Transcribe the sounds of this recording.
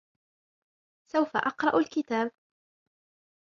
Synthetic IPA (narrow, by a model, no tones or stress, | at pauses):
sawfa̰ʔɑqɾˤɑʔalkɪt̪aːb